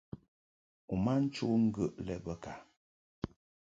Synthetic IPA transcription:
u˨ma˦n̩˦t͡ʃu˦ŋ̩˦ɡə˦˨ʔlɛ˦˨bə˦ka˨

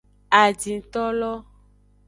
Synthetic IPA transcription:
a˨d͡ʒĩ˨t̪ɔ˦lɔ˦

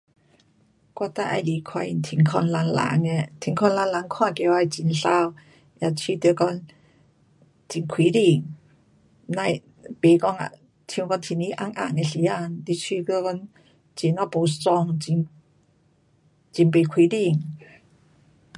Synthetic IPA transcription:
kwa˧˨t̪a˧˨ʔa̰˧jli˨kʰwa˧i˧˩˨nt̪ʰi˧˨˩ŋkʰɔ˧nla˧nla̰˧˨˦ŋe˧t̪ʰi˨˦ŋkʰɔ˧nla˧nla˨˧˦ŋkʰwãː˧˨ke˧˨wa˧˨jt͡ɕi˨˧nɬa˧w | ja˧˩t͡ɕʰi˧t̪e˧˦kɔ˧˥n | t͡ɕi˧˩nkʰwi˨˦di˧˩ŋ | na˧˨j | pe˨˦kɔ˧ŋa̰˨ | t̪ʰjĩ˧kɔ˧nt̪ʰi˨˧ni˦˧˦ʔa˧ŋʔa̰˧˩˨ŋe˧ɬi˨˧˦a˧˩nt̪i˧˦t͡ɕʰi˧kə˧˨kɔ˧˥ŋ | t͡ɕi˨na˧˦po˨˦st͡sɔ˧˩ŋi˧˩n | t͡ɕi˧˩npe˨kʰwi˨˦di˧˩ŋ

